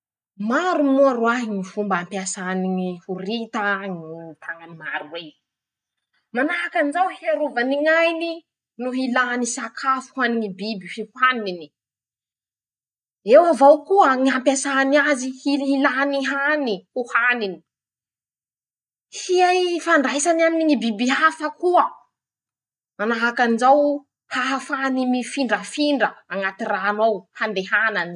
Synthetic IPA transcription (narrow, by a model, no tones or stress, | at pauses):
maɾumuaɾwaɦiŋifumbaampjasaniŋihuɾit̪aŋit̪ʰaŋanimaɾuwe | manaakanzawhiaɾuvaniŋajni | nuɦilanisakʰafu̥haniŋibibifihuanini̥ | ewavawkuəŋiampjasaniazihilɦilaniɦanihuhanini̥ | hiajfaɳɖ͡ʐajsanaminiŋibibiafəkuə | manaɦakanzaw | haɦafanimifiɳɖ͡ʐəfiɳɖ͡ʐəaŋat̪iraːnowhand̪eɦanani̥